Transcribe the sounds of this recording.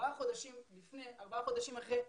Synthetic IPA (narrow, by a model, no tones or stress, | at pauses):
aχo̞d̪aʃimlifnejʔaʁbaaχo̞d̪aʃimaχʁe